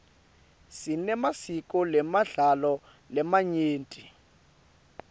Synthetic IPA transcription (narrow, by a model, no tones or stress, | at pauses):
sinɛmasik̬ʼɔlɛmaɮalɔ | lɛmaɲeːntʼi